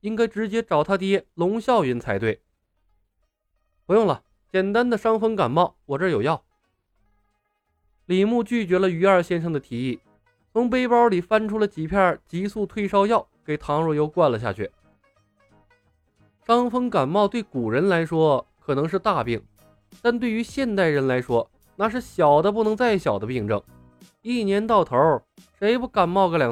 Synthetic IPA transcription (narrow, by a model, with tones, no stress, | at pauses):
i˥ŋka˥ɪʈ͡ʂɻ̩˧˥t͡ɕjɛ˥ʈ͡ʂɑ˨˩ʊt̪ʰa˥t̪̬jɛ˥lʊ˧˥ŋɕjɑ˥˩ʊy˧˥nt͡sʰa˧˥ɪt̪we˥˩ɪ | pu˧˥jʊ˥˩ŋlə˩ | t͡ɕjɛ˨˩nt̪a˥nd̪ə˨ʂɑ˥ŋfɤ˥ŋka˨˩nmɑ˥˩ʊwɔ˨˩ʈ͡ʂə˞˥˩jo˨˩ʊjɑ˥˩ʊ | li˨˩mu˥˧t͡ɕy˥˩t͡ɕɥɛ˧˥lə˧y˧˥ə˞˥˧ɕjɛ˥nʂʰɤ˧˥ŋd̪ə˧t̪ʰi˨˩i˥˩ | t͡sʰʊ˧˥ŋp̬e˥ɪpɑ˞˧˥li˨˩fa˥nʈ͡ʂʰu˥lə˨˩t͡ɕi˨˩pʰja˥˩t͡ɕi˧˥su˥˧t̪ʰwe˥˧ɪʂɑ˥ʊjɑ˥˩ʊke˨˩ɪt̪ʰɑ˧˥ŋɻɔ˥˧jo˥˧ʊkwa˥˩nlə˩ɕja̰˥˩t͡ɕʰy̰˥˩ | ʈ͡ʂɑ˥ŋfɤ˥ŋka˨˩nmɑ˥˧ʊt̪we˥˩ɪku˨˩ɻə˧˥nla˧˥ɪʂwɔ˥kʰɤ˨˩nɤ˧˥ŋʂɻ̩˥˧t̪a˥˧pi˥˩ŋ | t̪a˥˧nt̪we˥˩ɪy˧˥ɕjɛ˥˧nt̪a˥˩ɪɻə˧˥nla˧˥ɪʂwɔ˥ | na˥˧ʂ̬ɻ̩˥˩ɕjɑ˨˩ʊd̪ə˦p̬u˥˩nɤ˧˥ŋt͡sa˥˩ɪɕjɑ˨˩ʊd̪ə˦pi˥˧ŋʈ͡ʂɤ˥˩ŋ | i˥˩njɛ˧˥nt̪ɑ˥˩ʊt̪ʰə˧˥ʂe˧˥ɪpu˥ka˨˩nmɑ˥˧ʊkɡə˧˥ljɑ˨˩